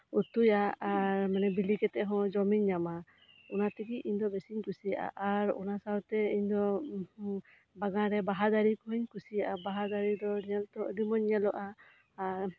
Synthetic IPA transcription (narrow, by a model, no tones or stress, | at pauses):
ut̪ujaaɾmɛnɛbilikɛt̪ɛʔɦɔ̃d͡ʒɔmiɲːama | ɔnat̪ɛɡiʔiɲd̪ɔbɛsiɲkusija̰ʔa̰ʔaɾɔ̰nasawt̪ɛiɲd̪ɔ | baɡaɾɛbaɦad̪aɾikɔɦiɲkusijaʔabaɦad̪aɾid̪ɔɾiɲɛlt̪ɔəd̪imɔɲɛlɔʔa